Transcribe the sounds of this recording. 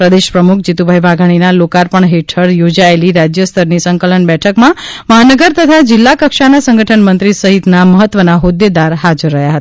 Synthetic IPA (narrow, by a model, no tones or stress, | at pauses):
pɾəd̪eʃpɾəmukʰd͡ʒit̪ubʱaiʋaɡʱaɽ̃inalokaɾpəɳɦeʈʰəɽjod͡ʒaeliɾad͡ʒjəst̪ʰəɾnisəŋkələɳbɛʈʰəkmã | məɦanəɡəɾt̪ət̪ʰad͡ʒɪlːakəkʃanasə̃ŋɡʱəʈʰənmənt̪ɾisəɦit̪naməɦət̪ːʋənaɦod̪ed̪aɾɦad͡ʒəɾːəɦjaɦət̪aa